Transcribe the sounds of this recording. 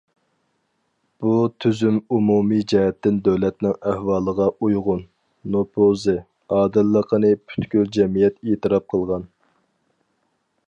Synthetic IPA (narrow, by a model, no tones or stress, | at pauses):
b̥ut̪ʰyzymumumid͡ʒɛɦɛt̪ːɪnd̪øwlɛt̪nɪŋæhwɑːlˠəʁɑʔujʁʊnː | opʰozɨ | ɑːd̪ɨlːəqʰənɨpʰy̥t̪kʲyld͡ʒɛmijɛt̪et̪ɨɾɑp̚qʰəlˠʁɑn